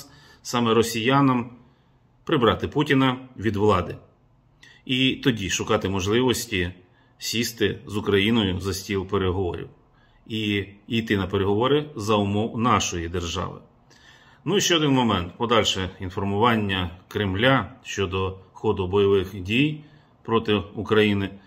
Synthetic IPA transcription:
sɑmɛɾɔsʲijanɐm | pɾɪbɾɑt̪ɪputʲinɐʋʲid̪ʋlˠɑd̪ɪ | it̪ɔdʲiʃʊkɑt̪ɪmɔʒlˠɪʋɔsʲtʲi | sʲist̪ɪzʊkɾɐjinɔjʊzɐsʲtʲilˠpeɾeɦɔʋɔ̰ɾʲḭw | iijt̪ɪnɐpeɾeɦɔʋɔɾɪzɐʊmɔwnɑʃɔjid̪e̞rʒɑ̰ʋɪ̰ | nuiʃt͡ʃɛɔd̪ɪnmɔmɛnt̪pɔd̪ɑlʲʃɛinfɔrmʊʋɑnʲːɐkɾɪmlʲaʃt͡ʃɔd̪ɔxɔd̪ʊbɔjɔʋɪxdʲij | pɾɔt̪ɪʊkɾɐjinɪ

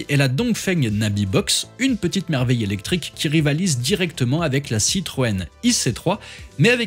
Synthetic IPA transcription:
ʔɛlad̪ɔ̃kfɛɲnabibɔksynpət̪it̪mɛʁvɛjelɛk̚t̪χikʲːiʁivalizd̪iʁɛkt̪əmɑ̃avɛklasit̪χoɛniset̪χwamɛavɛ

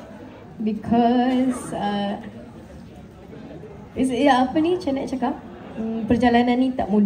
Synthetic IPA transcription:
bikʰɔs | ɪsɪapənit͡ʃanaʔ̚t͡ʃakap̚ | əpərd͡ʒalananːĩt̪a̰ʔmũn

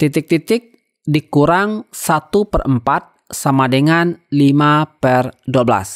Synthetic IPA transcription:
t̪it̪ɪk̚t̪it̪ɪk̚ | dikuɾaŋsat̪upərəmpat̪̚samadəŋanlimapərduabla̰s

